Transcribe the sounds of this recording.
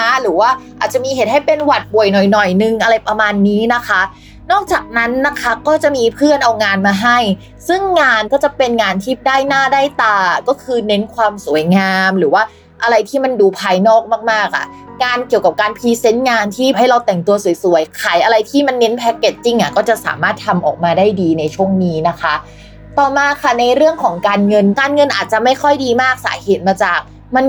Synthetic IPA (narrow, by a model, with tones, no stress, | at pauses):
a˦˥ɾɯː˩˦waː˥˩ʔʔaː˨˩t̪̚t͡ɕa˨˩miː˧ɦe˨˦n̚ha˥˩jpe˧nwa˨˩t̪̚bu˨˩əjnɔ˨˩jnɔ˨˩jnɯ˨˧ŋʔa˧ɾa˧jpɾa˧maː˧nːiː˦˥na˦˥kʰa˦˥ | nɔː˥˩k̚t͡ɕaː˨˩k̚na˦˥nːa˦˥kʰa˦˥kɔː˥˩t͡ɕa˨˩ʔmiː˧pʰɯ˥˩ənʔa˧wŋaː˧nmaː˧ɦa˥˩j | sɯ˥˩ŋːaː˧nkɔː˥˩t͡ɕa˨˩pe˧nŋaː˧nt̪ʰiː˥˩daː˥˩jnaː˥˩daː˥˩jt̪aː˧˩kɔː˥˩kʰɯː˧ne˦˥nkʰwaː˧msu˨˩˦jŋaː˧mɾɯː˩˦waː˥˩ | ʔa˧ɾa˧jt̪ʰiː˥˩ma˧nduː˧pʰaː˧jnɔː˥˩k̚maː˥˩k̚maː˥˩k̚ʔa̰˨˩ | ŋaː˧nki˨˩əwka˨˩p̚kaː˧npʰiː˧se˦˥nŋaː˧nt̪ʰiː˥˩ɦa˥˩jɾa˧wt̪ɛ˨˩ŋt̪u˧ɐsu˨˩˦jsu˩˦əjkʰaː˨˩jʔa˧ɾa˧jt̪ʰiː˥˩ma˧nːe˦˥npʰɛ˦˥kːe˨˩t̪̚t͡ɕi˧ŋʔa˨˩kɔː˥˩t͡ɕa˨˩sa̰ː˩˦maː˥˩t̪ʰːa˧mʔɔ̰ː˨˩k̚maː˧daː˥˩jdiː˧na˧jt͡ɕʰu˥˩əŋniː˦˥na˦˥kʰa˦˥ | t̪ɔː˨˩maː˧kʰa˥˩na˧jɾɯ˥˩əŋkʰɔː˩˦ŋkaː˧nŋɤ˧nkaː˧nŋɤ˧nʔaː˨˩t̪̚t͡ɕa˨˩ʔma˥˩jkʰɔ˥˩jdiː˧maː˥˩k̚sa̰ː˩˦heː˨˩t̪̚maː˧t͡ɕaː˨˩k̚ | ma˧n